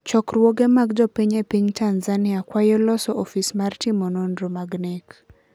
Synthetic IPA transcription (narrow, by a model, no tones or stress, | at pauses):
t͡ʃɔkrwɔɡemaɡd͡ʒɔpiɲepiɲtanzanɪakwajɔlɔsɔʔɔfismartimɔnondɾomaɡnɛk